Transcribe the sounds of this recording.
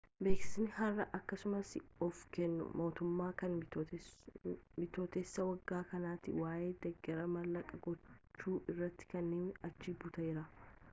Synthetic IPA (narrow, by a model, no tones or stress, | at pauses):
be̞ːksɪ̥snɪhɐrːɐʔɐkːɐsʊmɐsɔfkɛnːʊ̰mo̞ːt̪ʊmːaːkɐn | mɪt̪o̞ːt̪esːɐwɐɡːaːkɐnaːt̪ɪwaːje̞ːd̪ɛɡːɛɾɐmɐlːɐkʼːɐɡɔt͡ʃt͡ʃːuːʔɪrːɐt̪ːɪ̥kɐnːeːnɐt͡ʃːibʊt̪ɐjɪɾɐ